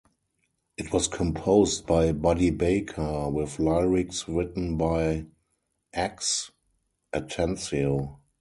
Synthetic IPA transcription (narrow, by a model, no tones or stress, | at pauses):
ʔɪtwɔskʰɔ̃mpʰoʊst̚b̥aɪbadibeɪkʰə˞wɪθlaɪɹɪksɹɪtn̩baɪ | ʔæks | ʔətʰɛ̃nsio